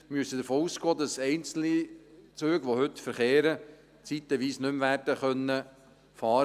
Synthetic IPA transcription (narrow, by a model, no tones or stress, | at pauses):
myəsəd̪əɾfoːusɡ̥oːd̪ɑsɛɪnt͡sl̩nit͡søːɡʋohʏt̪fəɾχeːɾə | t͡sit̪əʋiːsnʏmʋæːrd̥əχœnːə | fɑːɾ